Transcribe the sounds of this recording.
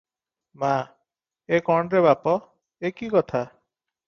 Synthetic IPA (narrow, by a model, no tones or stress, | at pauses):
ma | ekɔɳɾebapɔ | ekikɔt̪ʰa